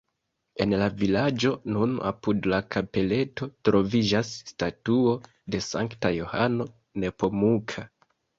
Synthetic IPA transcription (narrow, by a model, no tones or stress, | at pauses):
e̞nlavilad͡ʒo̞nuna̰pudlakʰape̞le̞to̞tɾo̞vid͡ʒasːtatuo̞ | de̞saŋktajo̞ha̰no̞ | ne̞po̞mukʰa